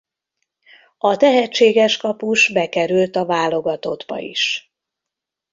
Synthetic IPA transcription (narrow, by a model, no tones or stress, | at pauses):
ɒt̪ɛɦɛt͡ʃːeːɡɛʃkɒpuʃbɛkɛɾylt̪ɒvaːlo̞ɡɒt̪o̞d̪bɒ̰ḭʃ